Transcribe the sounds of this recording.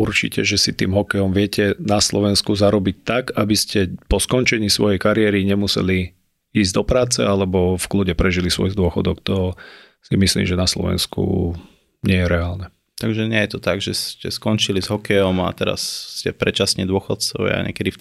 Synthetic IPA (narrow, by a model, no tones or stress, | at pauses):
uɾt͡ʃḭcɛʒɛsit̪iːmɦɔkɛjɔmʋɪɛcɛnaslɔʋɛnskuzaɾɔbic̚t̪aɡabiscɛpɔskɔnt͡ʃɛɲiːsʋɔjɛjkaɾɪɛɾiɲɛmusɛ̰li | iːzɟd̪ɔpɾaːt͡sɛ̰alɛbɔfkluːɟɛpɾɛʒilisʋɔ̰jiɣd̪ʊɔxɔd̪ɔkt̪ɔ | simislḭmʒɛnaslɔ̰ʋɛ̰nskṵ | ɲɪɛjɛɾɛaːlnɛ | t̪aɡʒɛɲɛjɛt̪ɔt̪aɡʒɛscɛskɔnt͡ʃilizɦɔkɛjɔma̰t̪ɛɾa̰sːcɛpɾɛt͡ʃasɲɛd̪ʊɔxɔt̪t͡sɔ̰ʋ̰a̰ɲɛ̰kɛd̪i